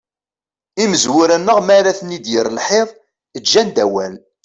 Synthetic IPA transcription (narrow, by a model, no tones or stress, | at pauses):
iməzwʊɾænːəʁmæɾæθnːid̪jəɾəlħeðˤ | əd͡ʒːænd̪æwæl